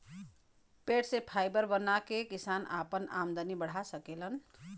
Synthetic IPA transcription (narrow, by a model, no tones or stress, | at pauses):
peʈsẽpʰajbəɾbənakekisanʔapənamd̪ənibəɽ̤asəkelən